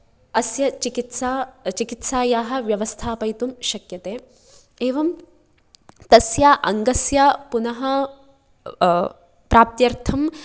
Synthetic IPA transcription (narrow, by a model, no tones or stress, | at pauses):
ɐsjɐt͡ʃikit̪saːt͡ʃikit̪saːjaːɦɐ̆ʋjɐʋɐst̪ʰaːpɐjt̪umʃɐkjɐt̪eː | eːʋɐm | t̪ɐsjaːʔɐŋɡɐsjaːpunɐɦɐ | pɾaːp̚t̪jɐɾt̪ʰɐm